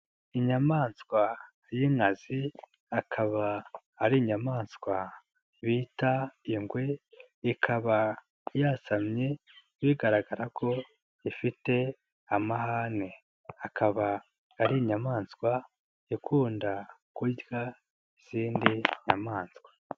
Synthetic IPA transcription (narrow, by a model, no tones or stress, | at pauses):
iɲamaːnskwa | jiŋazi | akʰaβaː | ɾiɲamaːnskwa | βiːtaiŋɡwe | ikʰaβa | jaːsamɲe | βiɡaɾaɡaɾakʰo̞ | ifite̞ | amahaːne | akʰaβaː | ɾiɲamaːnskwa | ikʰuːndakuɟɡa | z̥iːndiɲamaːnskwḁ